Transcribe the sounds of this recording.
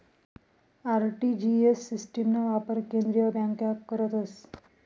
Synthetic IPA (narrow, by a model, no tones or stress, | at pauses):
aɾʈid͡ʑiesːisʈemnaʋapəɾkẽnd̪ɾijəbãŋkakːəɾət̪əs